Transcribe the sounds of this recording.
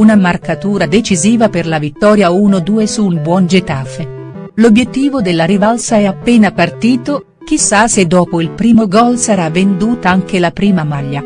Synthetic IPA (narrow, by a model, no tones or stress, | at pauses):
unamarkat̪uːɾad̪et͡ʃiziːvaperlavit̪ːɔːɾjauːnod̪uːesuːnbwɔnd͡ʒet̪afe | lobjet̪ːiːvod̪elːaɾivalsaɛapːeːnapart̪iːt̪o | k̟isːased̪ːɔːpoilpɾiːmoɡɔlsaɾavːend̪uːt̪aaŋk̟elapɾiːmamaʎːa